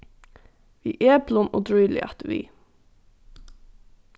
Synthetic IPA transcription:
ʋiːʔeːblɔnoːd̪ɹyːlɪ̰ʔɑ̰t̪ʋḭː

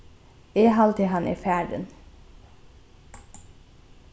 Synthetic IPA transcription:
eːɦɑlt̪ʰɪhɑnʔḛːfæːɖə̰n

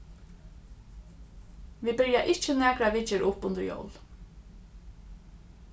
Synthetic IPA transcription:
ʋibɪɹjaʔɪt͡ʃənɛːkɾaʋɪt͡ʃɪɾʔʊpʊnd̪əɹjo̰wl

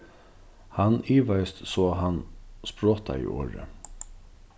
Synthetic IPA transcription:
haniːʋajst̪sɔːɦanspɾoːt̪ʰa̰ḭːʔo̰ːɾə̰

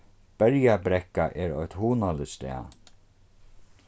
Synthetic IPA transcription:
b̥ɛɾjabɾɛkaʔɛɾɔ̰ht̪huːnalɪst̪ɛ̰ː

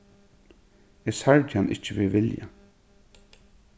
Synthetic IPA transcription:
ɛsaɹtanʔɪ̰t͡ʃəʋɪ̰ʋɪlja̰

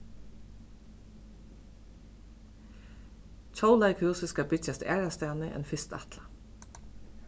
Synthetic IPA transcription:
c͡çʰɔʊlæɪkʰhʉːsəskɑbɪcɑst̪æ̰ːɹɑst̪æːnəʔḛːnfɪst̪ɛ̰t̪lɑ

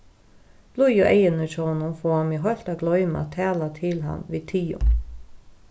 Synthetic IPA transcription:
b̥lujʊʔɛjənət͡ʃɔːnʊfɔːhamiɦɔlt̪aɡlɔʏma̰t̪ʰæːlat̪ʰɪlɦa̰nʋiːt̪ʰiːʊ̰n

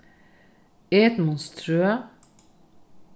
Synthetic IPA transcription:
eːt̪mɔnst̪ɾøə

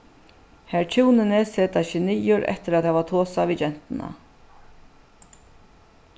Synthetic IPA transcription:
hɛɹt͡ʃʰuwnɪnɪseːt̪aʃɪnijʊɾʔɛ̰ht̪ɪɾaðhavat̪ʰoːsavit͡ʃɛn̥t̪ɪna̰

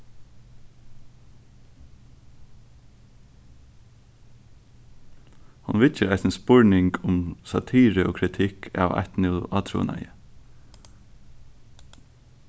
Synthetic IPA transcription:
hɑnʋɪt̪əɾæɪsnspɔɹnɪŋkʰʊmsɑt̪ʰiːɾəoːkʰɾɪt̪ʰɪkʰɑ̰ːʋa̰t̪nɪlɑːt̪ʰɾṵːna̰ɪjə

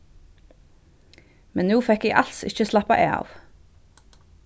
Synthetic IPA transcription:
mɛnnuːfɛkeːʔɑlsɪ̰çəslɑpɑʔeːɑ̰ːʋ

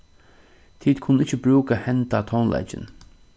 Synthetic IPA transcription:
t̪ʰiːd̪̥kʰʊnːɪt͡ʃːəbɾuːkahɛnt̪at̪ʰɔnlʔa̰jt͡ʃɪ̰n

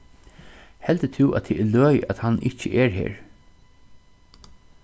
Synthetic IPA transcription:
hɛlt̪ət̪ʰɪwʔæ̰t̪ʰɪɛlœːjæ̰ðhanːʔɪt͡ʃəʔɛɹɦḛːɹ

